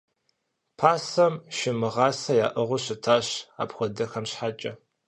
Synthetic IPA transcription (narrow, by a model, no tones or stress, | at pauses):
pʰaːsɐmʃɪmɨʁɑːsɐjaːʔɨʁʷʊɕɪtʰaːɕa̰pxʷɔdɐxɐmɕħat͡ʃʼɐ